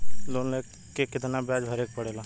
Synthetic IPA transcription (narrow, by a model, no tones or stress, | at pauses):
loːnlek | kːekɪt̪nabaːd͡ʒʱəɾeːk̚pəɽeːlaː